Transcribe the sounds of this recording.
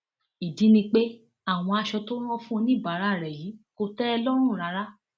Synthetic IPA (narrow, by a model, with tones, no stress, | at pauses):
i˨di˨˦nĩ˧k͡pe˦ | a˦˨w̃ɔ̃˧a˧ʃɔ˧tõ˦ɔ̃˦fũ˦o˧nĩ˦˨ba˨˦ɾa˦˨ɾɛ˨ji˨˦ko˧tɛ˦ɔ˧lɔ˦ɾ̃ũ˦˨ɾa˨˧ɾa˦